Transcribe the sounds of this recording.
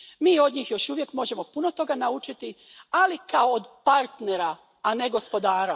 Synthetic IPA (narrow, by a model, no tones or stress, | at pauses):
miːo̞d̪ɲiːxjo̞ʃuʋje̞kmo̞ʒe̞mo̞puno̞t̪o̞ɡanaut͡ʃit̪ialikaoːd̪paɾt̪ne̞ɾaː | neɡo̞spo̞d̪aːɾa